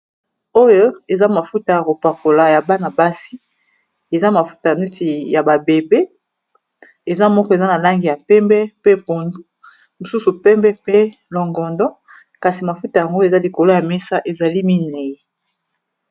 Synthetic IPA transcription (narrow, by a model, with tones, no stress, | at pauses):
o˦jo˦e˨za˦ma˨fu˦ta˨ja˨ko˨pa˨ko˨la˨ja˨ba˦na˨ba˦si˦ | e˨za˦ma˨fu̥˦ta˨nu˦ti˨ja˨ba˨be˨be˦ | e˨za˦mɔ˦kɔ˦e˨za˦na˨la˦ŋɡi˨ja˨pɛ˦mbɛ˦pe˦po˨ndu˦ | mo˨su˦su˨pɛ˦mbɛ˦pe˦lɔ˨ŋɡɔ˨ndɔ˦ | ka˨si˨ma˨fu˦ta˨ja˨ŋɡo˦e˨za˦li˨ko˨lo˦ja˨mɛ˦sa˦ʔe˨za˨li˦mi˦ne˨jɛ˨